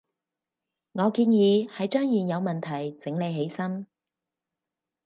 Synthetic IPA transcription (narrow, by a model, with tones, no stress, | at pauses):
ŋɔː˨˧kiː˧njiː˨˧hɐ˨jt͡ʃœː˥ŋjiː˨˩njɐ˨˧wmɐ˨˩nt̪ʰɐ˨˩jt͡sɪ˨˥ŋle˨˧jɦe˨˥jsɐ˥m